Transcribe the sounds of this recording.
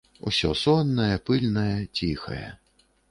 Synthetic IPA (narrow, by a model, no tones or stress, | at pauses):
usʲɔsɔnːɐjɛpɨlʲnɐjɛt͡sʲixɐ̰jɛ̰